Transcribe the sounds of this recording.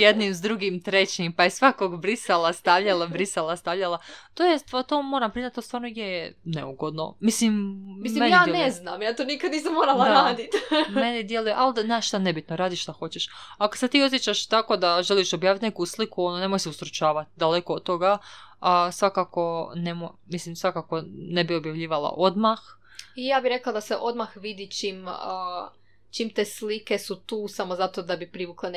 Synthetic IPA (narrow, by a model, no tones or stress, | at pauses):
jed̪nimzd̪ɾuɡimt̪ɾet͡ɕimpajesʋakoɡbɾiselˠast̪aʋʎalˠabɾiselˠast̪aʋʎalˠat̪oːjest̪ʋat̪omoːɾampɾizat̪ːost̪aːɾnoɡjejenḛuɡo̞d̪no̰mislimmiienaːeneznamjaːt̪onikad̪niːsamːoːɾalaɾaːd̪it̪menid̪jelujeʔald̪anaʃʃt̪ane̞bit̪noɾaːd̪iːʃʃt̪axo̞t͡ɕeʃako̥set̪iːo̞t̪jet͡ɕaʃt̪ako̞d̪aʒeliʃo̞bjaːʋit̪ʲnekuslikuonone̞mojseust̪ɾut͡ʃaːʋat̪id̪ale̞kood̪̚t̪ːo̞ɡaasʋakako̞ne̞momislimsʋakako̞ne̞bio̞bjaʋʎiːʋalˠa̰ʔo̞d̪max | ijaːbiɾe̞klˠad̪aseʔo̞d̪maxʋid̪it͡ʃiːməː | t͡ʃiːmt̪eslike̞sut̪uːsamozat̪od̪abipɾiʋuklen